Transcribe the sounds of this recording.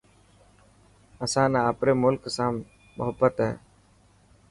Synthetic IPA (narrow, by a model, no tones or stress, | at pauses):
əsãːnaaːpɾeːmʊlksãːm | mʊɦəbːət̪ɦɛ̰ː